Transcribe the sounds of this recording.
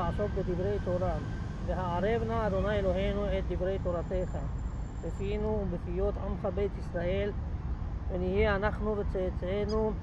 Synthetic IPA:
aʕsokbed̪ibɾejt̪oɾa | veɦaʕaɾebnaːd̪onajeloɦenuet̪̚d̪ibɾejt̪oɾat̪exa | befinubefijot̪amxabejt̪isɾaʔel | enihihanaxnubet͡set͡senu

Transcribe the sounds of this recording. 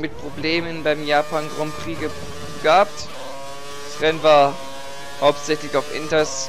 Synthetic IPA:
mɪt̚pʁ̥obleːmənbaɪmjaːpʰanɡʁɔmkʁ̥iːɡə | ɡ̥aapt | d̥asʁɛnvaːɐ | haʊptz̥ɛçlɪçaʊfʔɪ̰ntɐs

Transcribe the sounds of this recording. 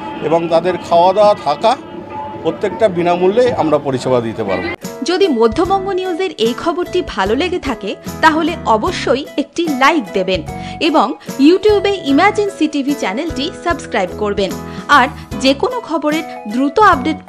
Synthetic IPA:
eboŋt̪ad̪eɾkʰaoad̪aat̪ʰaka | pɾot̪ːek̚ʈabinamulːeamɾapoɾiʃebad̪it̪epa̰ɾbo̰d͡ʑod̪imod̪ʱːobɔŋɡoniud͡ʑeɾejkʰɔboɾʈibʱaloleɡet̪ʰaket̪aɦoleʔɔboʃːojek̚ʈilajk̚d̪ebeneboŋjuʈijubeʔimaɾd͡ʑinsiʈibʱit͡ɕɛnelʈisəbskɾajbkoɾbenaɾ | d͡ʑekonokʰɔboɾeɾ | d̪ɾut̪oab̚ɖeʈ

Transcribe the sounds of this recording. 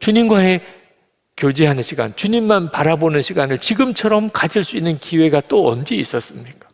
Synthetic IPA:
t͡ɕuɲimɡwaɦe̞ | kjod͡ʑiɦanɯnɕʰiɡa̰nt͡ɕuɲimːanpaɾabonɯnɕʰiɡanɯɭt͡ɕiɡɯmt͡ɕʰʌɾʌmkad͡ʑiɭs͈uinːɯnkiwe̞ɡat͈oʌ̰nd͡ʑeḭs͈ʌs͈ɯmɲik͈ḁ

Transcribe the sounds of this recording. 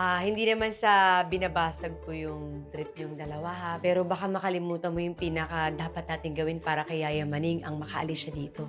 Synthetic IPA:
ʔahɪnd̪inɐmansɐbɪnɐbaːsɐɡ̚kojʊŋt̪ɾɪp̚ɲʊŋd̪ɐlɐwaɦapɛːɾo̞bɐkamɐkɐlɪmuːt̪ɐmojʊŋpiːnɐkɐd̪aːpɐt̪̚naːt̪ɪŋɡɐwɪnpaːɾɐkɐjaːjɐmɐniŋʔɐŋmɐkɐʔɐ̰lɪsʃɐd̪iːt̪o̞

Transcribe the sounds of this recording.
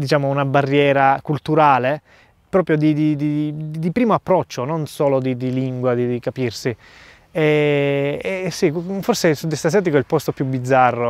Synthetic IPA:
d̪it͡ʃaːmounabarːjɛːɾakult̪uɾaːle | pɾɔːpɾjod̪id̪id̪id̪ipɾiːmoapːɾɔt͡ʃːononsoːlod̪id̪iliŋɡwad̪id̪ikapirsi | ɛ | ɛsiforsesud̪ːist̪as̬jaːt̪̬ikoɛlpɔst̪opjubid̪zːarːo

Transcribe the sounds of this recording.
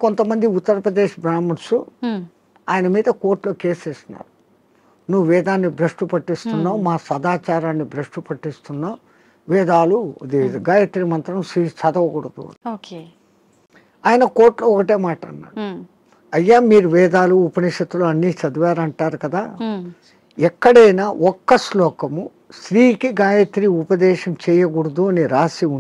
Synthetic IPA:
kont̪ɐmɐnd̪iut̪ːɐɾɐpɾɐd̪eːʂbɾaːmɐɾsu | aːjɐnɐmiːd̪ɐko̞ːɾʈlo̞ːke̞ːseːst̪una̰ːɾu | nuʋuʋɛːd̪aːnːibɾɐʂʈupɐʈːist̪unːaːmaːsɐd̪aːt͡ʃaːɾaːnːibɾɐʂʈupɐʈːist̪unːaː | ʋɛːd̪aːlud̪iɡaːjɐt̪iɾimɐnt̪ɾɐmsisɐd̪ɐʋɐkuɽɐd̪ṵɐ̰noke | aːjɐnɐkoːɾʈloɔkɐʈeːmaːʈɐɐnːa̰ːɽu | ɐjːaːmiːɾuʋɛːd̪aːluːpɐniʂɐt̪ːuluɐnːiːt͡ʃɐd̪uʋaːɾɐɳʈaːɾukɐd̪aː | ɛkːɐɽɐjnaːʔɔkːɐslɔːkɐmu | sɾiːkiɡaːjɐt̪ɾiːupɐd̪ɛːʃɐmt͡ʃɛːjɐɡuɽud̪uɐniɾaːsiu

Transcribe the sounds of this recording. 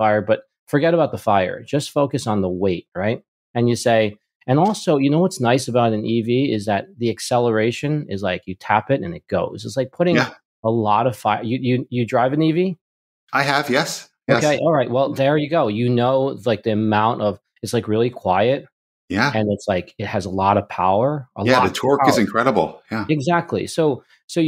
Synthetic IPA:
faɪə˞bʌt̚ | fə˞ɡɛɾɨbaʊt̪̚ðəfaɪə̰˞d͡ʒʌstfoʊkɨsn̩ðəweɪt̚ɹaɪt̚ | ɨ̃njɨseɪ | ɨ̃nɔlˠsoʊjɨnoʊwʌtsnaɪsɨbaʊɾɨ̃nʔiviɪzðɨt̪̚ðiɨksɛlˠə˞eɪʃɨ̃nɪzlaɪkjɨtʰæpɨɾɨ̰̃nɨt̚ɡ̥oʊzɨtslaɪk̚pʰʊɾɪ̃ | əlɔɾʌv̥faɪə̰˞jɨjɨjɨdɹaɪvɨ̃nivi | ʔaɪɨvjɛs | oʊɛkʰeɪʔɔlˠɹaɪt̚wɛlˠðə˞jɨɡoʊjɨnoʊlaɪk̚ðiɨmãʊ̃ntʌv̥ | ɨtslaɪkɹɪlˠikʰw̥aɪɨt̚ | jæɨ̃nɨtslaɪkɨt̚hɨzəlɔɾʌv̥pʰaʊə˞ʔə̰læðɨtʰɔɹɨzɨ̃nkʰɹ̥ɛɾəbl̩ˠjæɨɡzæk̚tʰˡlḭsoʊ | soʊ

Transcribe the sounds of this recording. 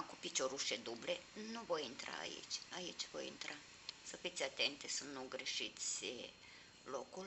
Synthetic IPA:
kupit͡ʃʲoɾuʃed̪ublenuvojint̪ɾa̰a̰ḭt͡ʃʲait͡ʃʲvo̰jḭnt̪ɾa | səfit̪sʲat̪ent̪esunt̪nuɡɾeʃit̪sʲ | lokul

